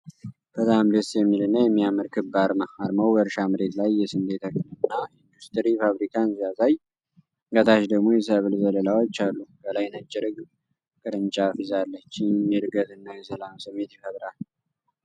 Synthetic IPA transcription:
b̥ət̪ʼamd̪əsjɛmːilɨnːəjɛmːijamɨɾkʰɨbːaɾmahaɾməwbəɾʃamɨɾe̞t̪lajːɛsɨnd̪et̪ʰəkʼɨnɨnːaind̪ust̪ɨɾifaβɾikʰanzijazaj | ɡət̪ʰaʃd̪əɡmo̞jɛs̬əβɨlzələlawo̞t͡ʃːalːubəlajnət͡ʃʼːɪɾɨɡ | kʼɨɾɨnt͡ʃʼafizalːət͡ʃːɪmjɛɾɨɡət̪ɨnːajɛsəlamsɨmːe̞t̪jɛfət̪ɾal

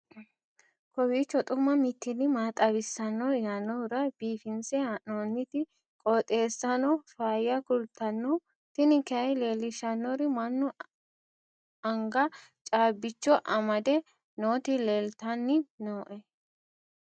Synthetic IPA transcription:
kɔwiːt͡ʃːɔt̪ʼʊmːɐmɪt̪ːɪnɪmaːt̪ʼɐbɪsːɐnːɔjanːɔɾɐb̥iːfɪnsɛɐʔoːnːɪt̪ɪ | kʼɔt̪ʼe̞ːsːɐnɔfaːjɐkʊlt̪ːɐnːɔ | t̪ɪnɪkɛɐjle̞ːlːɪʃɐnːɔɾɪmɐnːɔ | ɐŋɡɐt͡ʃʼaːbːɪt͡ʃːɔʔɐmɐd̪ɛ | noːt̪ɪleːlt̪ɐnːɪnoːʔɛ

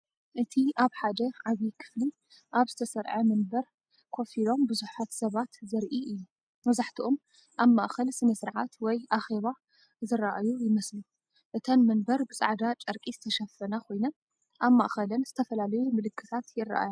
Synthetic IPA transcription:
ʔɨt̪ʰiaβħad̪ɐʕaβikʰɨ̥fli | ʔaβzɨt̪ʰɐsɐɾʕɐmɨnbɐɾ | kʰo̞filo̞mbɨzuħat̪sɐβat̪zɐɾʔiʔɨjːu | mɐzaħt̪ʰiʔom | ʔaβmaʔxɐlsɨnɐsɨɾʕat̪wɔjʔaxe̞βa | zɨɾaʔajujɪmɐslu | ʔɨt̪ʰɐnmɨnbɐɾbɨsʼa̰ʕd̪at͡ʃʼɐɾkʼizɨt̪ʰɐʃɐfːɐnakʰo̞jnɐ | ʔaβmːa̰ʔxɐlɐnz̥ɨt̪ʰɐfɐlalɐjumɨlɨkʰːɨt̪ʰat̪jɪra̰ʔa̰ja

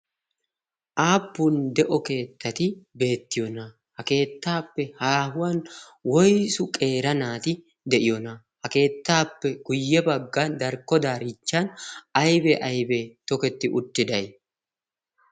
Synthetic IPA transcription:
ʔaːpːund̪ɛʔɔke̞ːt̪ːɐt̪ɪbe̞ːt̪ːɪjɔnɐ | hɐke̞ːt̪ːaːpːɛhaːɦʊwɐn | wɔjsʊkʼe̞ːɾɐnaːt̪ɪ | d̪ɛʔɪjɔnɐ | hɐke̞ːt̪ːaːpːɛɡʊjːɛbɐɡːɐnd̪ɐɾkːɔd̪aːɾɪt͡ʃːɐnɐjbɛʔɐjbet̪ɔkɛt̪ːɪʔʊt̪ːɪd̪ɐj

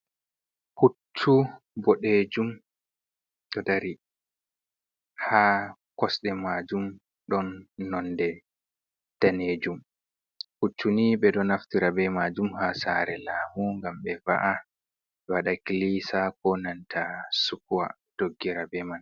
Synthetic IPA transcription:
hutʰːu | bɔɗeːd͡ʒum | ɗɔdaɾi | haːkɔsɗɛmaːd͡ʒum | ɗɔnːɔndɛ | d̥aneːd͡ʒum | hutʰːuniɓɛɗɔnaftiɾabɛmad͡ʒumhasaːɾɛlaːmuŋɡambɛva̰ʔa | ɗɛwaɗakilisakɔnantʰasukuwa̰ | d̥oɡːiɾabɛman

